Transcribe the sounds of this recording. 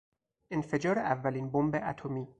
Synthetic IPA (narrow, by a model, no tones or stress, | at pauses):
ʔenfe̞d͡ʒɒːɾeʔævːæliːnbombeʔæt̪ʰomiː